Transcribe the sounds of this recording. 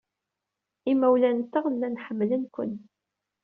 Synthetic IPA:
imːæwlænt̪ːəʁənːænħəmːlənkʷə̰n

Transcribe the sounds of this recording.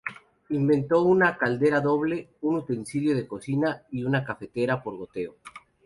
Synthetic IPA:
imbẽ̞nt̪o̞unakald̪e̞ɾaðo̞βle̞unut̪e̞nsiljoðe̞ko̞sinaiunakafe̞t̪e̞ɾapo̞ɾɣo̞t̪e̞o

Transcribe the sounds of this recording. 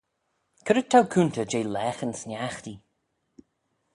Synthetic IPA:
kʰəɾətʰːawkʰuːnt̪əd͡ʒejlɛːxənsnʲjaxt̪i

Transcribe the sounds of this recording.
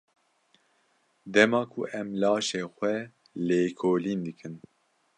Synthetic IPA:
d̪ɛmɑːkʰṵʔɛmlɑːʃeːxʷɛ | leːkʰoːliːnd̪ɨkʰɨn

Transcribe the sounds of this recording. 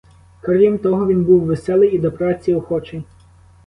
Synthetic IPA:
kɐɾʋʲimt̪ɔɦɔʋʲinbuwʋesɛlˠɪjid̪ɔpɾɑt͡sʲːiɔxɔt͡ʃejʲ

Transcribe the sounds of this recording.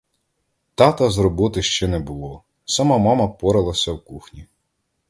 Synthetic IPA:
t̪ɑt̪ɐzɾɔbɪt̪ɪʃt͡ʃɛnɛbʊlˠɔ | sɐmɑmɑmɐpɔɾɐlˠɐsʲɐwkuxnʲi

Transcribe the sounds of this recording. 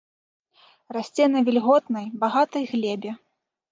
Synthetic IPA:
rasʲt͡sʲɛnɐvʲilʲɣɔt̪nɐjbaɣat̪ɐjɣlʲɛbʲɛ

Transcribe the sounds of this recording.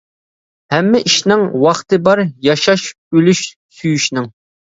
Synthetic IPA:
hɛmːɪʔiʃnɪŋwɑχt̪ʰɨbɑɾjɑʃɑʃ | ølyʃ | syjyʃnɪŋ

